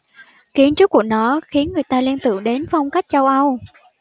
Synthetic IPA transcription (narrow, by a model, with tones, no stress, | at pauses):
ki˨˦ənt͡ɕɨ˦˥ku˧˩ənɔ˨˦xi˨˦ənŋɨ˨˩əjt̪aː˧li˧nt̪ɨ̰˧˨əŋɗe˨˦nfa˧wŋ͡mka˦˥jk̟̚t͡ɕa˧wʔə˧w